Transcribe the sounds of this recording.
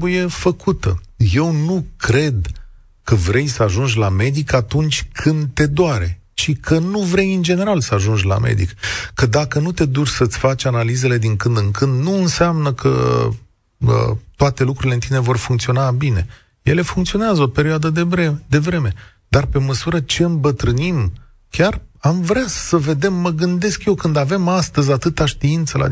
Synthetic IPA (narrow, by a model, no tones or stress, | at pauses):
buje̞fəkʰut̪əje̞wnukɾe̞d̪ | kəvɾe̞jsəaʒunʒʲlame̞d̪ikat̪unt͡ʃʲkʰɨnd̪̚t̪e̞d̪oaɾe̞ | t͡ʃikʰənuvɾe̞jɨnd͡ʒe̞ne̞ɾalsəaʒund͡ʒla̰mʔḛd̪ḭkkəd̪akənut̪e̞d̪ut͡ʃʲsət̪sʲfat͡ʃʲanalize̞le̞d̪iŋkɨnd̪ɨŋkɨnd̪nuɨnseamnəkʰə̰ | ə̰t̪oat̪e̞lukɾuɾile̞ɨnt̪ine̞vo̞rfuŋkt̪sio̞nabine̞ | je̞le̞fuŋkt̪sio̞neazəo̞pe̞ɾioad̪əd̪eɾed̪e̞vɾe̞me̞ | d̪̥arpe̞məsuɾət͡ʃe̞ɨmbət̪ɾɨnim | kʲaramvɾeasəve̞d̪e̞mːəɡɨnd̪e̞skje̞wkɨnd̪ave̞mast̪əzʲat̪ɨt̪aʃt̪iint̪səla̰